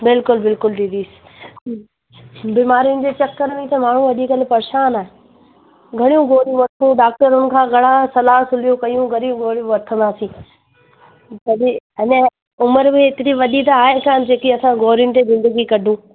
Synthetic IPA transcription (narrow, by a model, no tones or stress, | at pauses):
bɪlkʊlbɪlkʊld̪id̪iːsɪ̥ | bimaːɾijʊnɪ̆d͡ʑet͡ɕɐkːəɾmẽt̪ɐmaːɳ̤ũʋɐɗikɐlɪpɐɾʃaːnaːɦe | ɡʱɐɽ̃ijũɡʱoːɾijũʋɐɾt̪ʰũɖaːk̚ʈəɾʊn̆kʰãːɡʱɐɽ̤̃asɐlaːɦsʊlijũkɐijũɡʱɐɾijũɡoːɾijũʋɐɾt̪ʰə̃nd̪aːsĩː | sɐɗiɐnə | ʊməɾmẽɪt̪ɪɾiʋɐd̪id̪aːɦekʰan̆d͡ʑeːkiɐsãɡoːɾijʊnɪt̪ezɪ̃nd̪əɡikɐɖʱũː